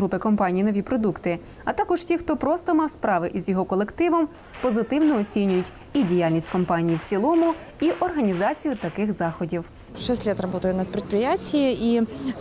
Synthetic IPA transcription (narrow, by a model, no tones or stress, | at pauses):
ɾupɪkɔmpɑnʲijnɔʋʲipɾɔd̪ukt̪ɪ | ɐt̪ɑkɔʒtʲixt̪ɔpɾɔst̪ɔmɑspɾɑʋɪʔizjɔɦɔkɔlˠekt̪ɪʋɔm | pɔzɪt̪ɪwnɔɔt͡sʲinʲʊjʊtʲ | idʲijalʲnʲisʲtʲkɔmpɑnʲijiwt͡sʲilˠɔmʊ | iʔɔrɦɐnʲizɑt͡sʲijʊt̪ɐkɪxzɑxɔdʲiw | ʂɛsʲtʲlʲɛt̪rɐbɔt̪əjʊnɐpʲɾʲɪt̪̚pɾʲɪjatʲijiʔi